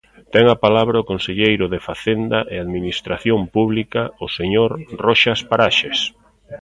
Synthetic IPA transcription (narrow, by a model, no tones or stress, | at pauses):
t̪ɛŋapalaβɾaʊkonseʎejɾʊðefaθend̪aʔeaðminist̪ɾaθjompuβlikaʊseɲoɾrɔʃaspaɾaʃes